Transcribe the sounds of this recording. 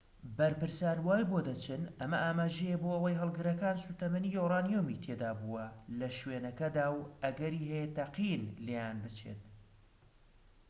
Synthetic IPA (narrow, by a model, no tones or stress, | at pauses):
bɐɾpɨɾsaːnwaːjboːd̪ɐt͡ʃʰɨnɐmɐʔaːmaːʒɛjeboːɐwɐjɦɐlˠɡɨɾɐkaːnsut̪ɐmɐnijoraːnijomit̪ʰeːd̪aːbuwɐlɐʃweːnɐkɐd̪aːwɐɡɐɾiːɦɛjet̪ɐqinlejaːnbɨt͡ʃʰḛt̪̚